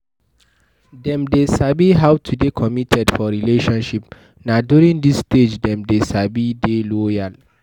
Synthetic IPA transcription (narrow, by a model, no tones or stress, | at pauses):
dɛ̃mdesabiɦawtʰudekʰɔmitʰɛdfɔɹileʃɔ̃nʃip | nadjuɹĩŋdisːted͡ʒdɛ̃mdesabidelojal